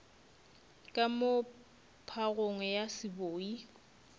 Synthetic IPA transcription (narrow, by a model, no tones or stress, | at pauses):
kʼamo | pʰaɣoŋɛjasɪboːi